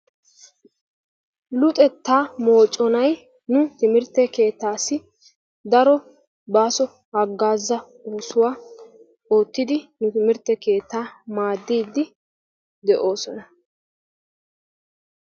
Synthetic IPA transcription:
lʊt̪ʼɛt̪ːaːmo̞ːt͡ʃʼːɔnɐj | nʊt̪ɪmɪɾt̪ːɛke̞ːt̪ːaːsːɪ | d̪ɐɾɔ | baːsɔ | hɐɡːaːzːɐ | oːsʊwaː | o̞ːt̪ːɪd̪ɪnʊt̪ɪmɪɾt̪ːɛke̞ːt̪ːaːmaːd̪ːiːd̪ːɪ | d̪ɛʔo̞ːsɔnɐ

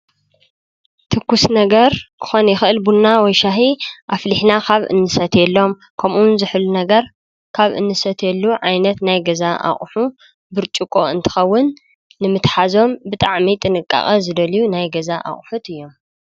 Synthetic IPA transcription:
t̪ʰɨkːusnɐɡɐɾkʰɨ̥xo̞njɪxʔɨlbunːawɔjʃaɦiʔafliħnakʰaβʔɨ̰nːɨsɐt̪jɛlːo̞m | kʰɐmʔunzɨħlunɐɡɐɾ | kʰaβʔɨ̰nːɨsɐt̪ʰjɛlːuʕajnɐt̪najɡɐzaʔa̰χʼħu | bɨɾt͡ʃʼukʼoɨnt̪ʰɨ̥xɐwːʊnː | ɨmɨt̪ħazo̞mbɨt̪ʼaʕmit̪ʼɨnɨkʼːa̰xʼɐzɨd̪ɐlijunajɡɐzaʔa̰χʼħut̪ɨjːo̞m

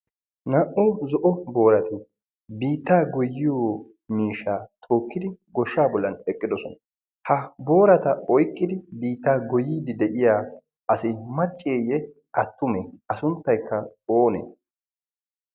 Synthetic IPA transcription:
nɐʔʊzɔʔɔbo̞ːɾɐt̪ɪ | biːt̪ːaːɡɔjːɪjoː | miːʃːaːt̪ʰo̞ːkːɪd̪ɪɡɔʃːaːbɔlːɐnɛkʼːɪd̪ɔsɔnɐ | hɐbo̞ːɾɐt̪ɐɔjkʼːɪd̪ɪbiːt̪ːaːɡɔjiːd̪ɪd̪ɛʔɪjaː | ɐsɪmɐt͡ʃʼːeːjɛ | ʔɐt̪ːʊmɛʔɐsʊnt̪ːɐjkːɐoːnḛː

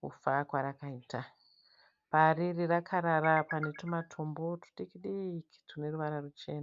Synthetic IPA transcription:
kṵfakwaɾakaiːta | paririrakʰaɾaɾapane̞tomatʰombo̞tu̥ɗikiɗiki̥tune̞ruʋaɾarut͡ʃe̞ːna

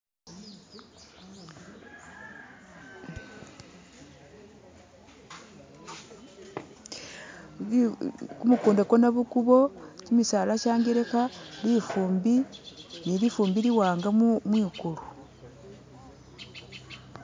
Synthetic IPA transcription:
kumukuːndekonaβukuβo̞cimisaːlaʃaːŋɡeɾekalifuːmbinilifuːmbiliwaːŋɡamumwiːkulu

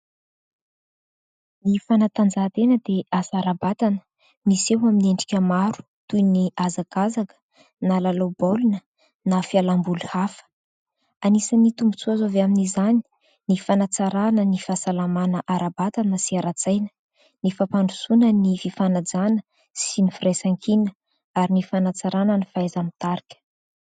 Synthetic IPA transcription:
nifanat̪and͡zaɦt̪enəd̪easaɾabat̪anə̥ | misewamineɳɖ͡ʐi̥kʲəmaɾu̥ | t̪ujniʔazakazakə̥ | nalalobolunə | nafialambuluhafə̥ | anisənit̪umbut͡suazoveaminizani̥ | nifanat͡saɾanənifasalamanəʔaɾabat̪anəsiaɾat͡sajnə̥ | nifapaɳɖ͡ʐusunənififanad͡zanə | sinifiresaŋkʰinə | aɾinifanat͡saɾanənifajzamit̪aɾikʲə̥

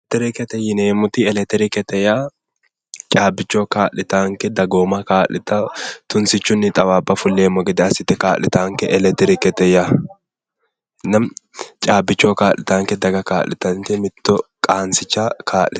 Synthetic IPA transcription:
t̪ːɛɾɪkɛt̪ɛjɪneːmʊt̪ɪɛlɛt̪ɛɾɪkɛt̪ɛjaː | t͡ʃʼaːbɪt͡ʃːoːkaːʔlːɪt̪aːŋkɛd̪ɐɡoːmɐkaːʔɪt̪ɐt̪ʊnsɪt͡ʃːʊnːɪt̪ʼɐwaːbːɐfʊlːe̞ːmːɔɡɛd̪ɛɐsɪt̪ːɛkaːʔlɪt̪aːŋkɛʔɛlɛt̪ɛɾɪkɛt̪ɛja | nɐmt͡ʃʼaːbːɪt͡ʃːoːkaːʔlɪt̪aːŋkɛd̪ɐɡɐka̰ːʔlːɪ̰t̪ɐŋtɛmɪt̪ːɔkʼaːnsɪt͡ʃːakʰaːʔlɪt̪

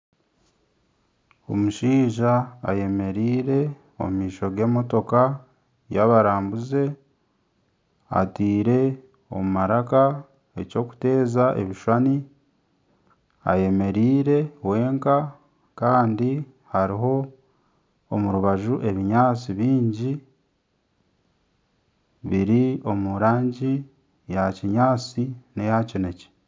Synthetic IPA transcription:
o̞muʃiːʒa̰ːje̞me̞ɾiːɾe̞ | o̞̰mumiːʃo̞ɡe̞ːmo̞to̞ka | jaβaɾaːmbuze̞ | a̰tiːɾe̞ | o̞̰mumaɾaka | e̞co̞ku̥te̞ːzaʔe̞̰βiʃwani | a̰je̞me̞ɾiːɾe̞we̞ːŋka | kaːndi | haɾiɦo̞ | muɾuβaʒuʔe̞βiɲaːt͡siβiːɲɟi | βiɾio̞muɾaːɲɟi | jaciɲaːt͡sinejacine̞ce̥

